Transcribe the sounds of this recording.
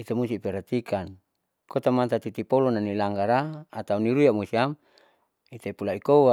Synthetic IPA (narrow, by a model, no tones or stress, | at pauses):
it̪omusipɛɾat̪ikʰan | kot̪amant̪at̪it̪ipolonanilaŋɡaɾaːt̪auniɾujamusiam | it̪epulaikowa